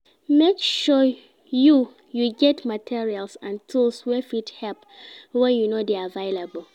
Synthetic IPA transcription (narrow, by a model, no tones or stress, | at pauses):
mekʃu | ju | juɡɛtmatʰiɹialsãntʰulswɛfithɛlpwɛ̃junodeavaɪlabəl̩ˠ